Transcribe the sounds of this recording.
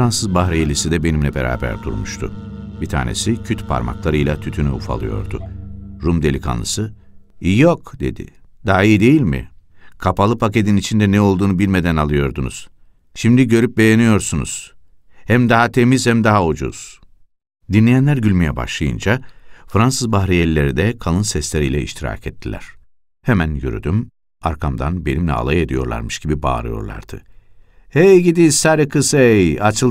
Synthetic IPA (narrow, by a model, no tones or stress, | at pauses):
ɾansɯzbaɦɾeelʲisid̪ɛbe̞nimlʲɛbeɾa̰ːbæ̰ɾd̪ṵɾmuʃt̪ʰṵbit̪ʰa̰ːne̞̰sicʰyt̪pʰa̰ɾma̰klˠaɾɯjlˠat̪ʰyt̪ʰynyṵfa̰lˠɯ̰jo̞̰ɾd̪ṵɾumd̪e̞lʲikʰa̰nlˠɯ̰sɯ | ijjokd̪e̞̰d̪ḭd̪̥aɦaijid̪e̞jilʲmḭkʰapalˠɯpʰace̞d̪init͡ʃʰind̪ɛnɛo̞lˠd̪uːnubilʲme̞d̪ænalˠɯjo̞ɾd̪unṵz̥ | ʃimd̪iɟø̞ɾyp̚be̞jenijo̞ɾsunṵz̥ | hæmd̪aɦat̪ʰe̞miz̥hæmd̪aɦaud͡ʒṵz̥ | d̪inlʲejænlʲæɾɟylʲmejɛba̰ʃlˠajɯnd͡ʒafɾansɯzbahɾijelːʲe̞ɾid̪ɛkʰalˠɯnsɛslʲe̞ɾijlʲɛḭʃt̪ʰiɾa̰ːkʰɛt̪ʰːilʲæ̰ɾ̥ | hemænjø̰ɾy̰d̪ym | aɾkʰamd̪a̰nbe̞nimlʲɛ̰a̰lˠajed̪ijo̞ɾlˠa̰ɾmɯʃɟ̥ibiba̰ːɾɯ̰jo̞̰ɾlˠa̰ɾd̪ɯ̰ | ejɟid̪isaɾikʰɯsjat͡ʃʰɯlˠ